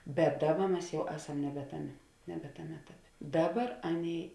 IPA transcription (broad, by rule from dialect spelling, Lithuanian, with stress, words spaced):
bʲɛt ˈdɑːˌbɐ ˈmʲɛs ˈjɛʊ ˈæːˌsɐm nʲɛbʲɛ ˈtɑːˌmʲeː nʲɛbʲɛ ˈtɑːˌmʲeː ˈæːtɐˌpʲeː ˈdɑːˌbɐr ˈɑːˌnʲeːɪ